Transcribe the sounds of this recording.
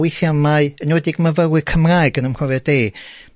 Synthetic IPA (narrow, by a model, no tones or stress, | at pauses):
ɪjθjamaɨənwɛdɪɡməvəwɨkʰəmrajɡənəmrɔvɛdeː